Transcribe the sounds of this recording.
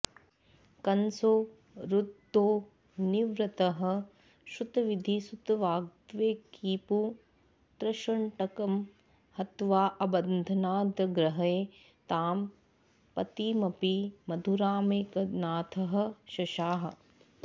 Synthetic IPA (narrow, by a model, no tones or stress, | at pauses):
kɐnsoː | ɾud̪ʱːoː | niʋɾɐt̪ɐɦɐ̆ | ʃut̪ɐʋid̪ʱisut̪ʋaːɡ̚t̪ʋeːkiːpu | t̪ɾɐʃɐɳʈɐkɐm | hɐt̪ʋaːʔɐbɐnd̪ʱɐnaːd̪ɐɡɾɐɦɐeː | t̪aːm | pɐt̪iːmɐpimɐd̪ʱuɾaːmeːkɐnaːt̪ʰɐɦɐ̆ʃɐʃaːɦɐ̆